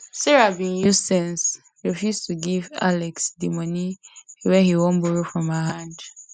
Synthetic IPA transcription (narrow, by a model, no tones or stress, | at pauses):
sɛɹabĩnjustɛ̃ns | ɹifjustʰuɡiva̰lɛksdimɔniwɛhiwɔ̃nbɔɹofɹɔ̃məɦãnd